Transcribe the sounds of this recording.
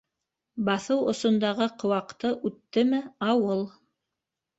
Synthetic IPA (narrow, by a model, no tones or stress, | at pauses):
bɑθɤwŏ̰sŏnd̪ɑʁɤqʰŏwɑqt̪ɤʔʉt̪ːɘmɘɑwɤlˠ